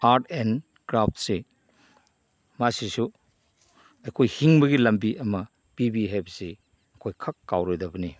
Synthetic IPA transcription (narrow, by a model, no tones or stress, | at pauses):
aɾtʰen | kɾapt̚se | masisu | ɐjkʰojhiŋbɐɡilɐmbiʔɐmɐ | bibiɦejbɐse | ɐkʰojkʰɐkːawɾojdɐbɐni